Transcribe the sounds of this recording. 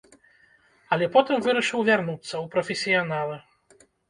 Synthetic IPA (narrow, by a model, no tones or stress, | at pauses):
ɐlʲɛpɔt̪ɨmvɨɾɐʂɨwvʲarnut̪sːɐwpɾɐfʲɛsʲijanalˠɨ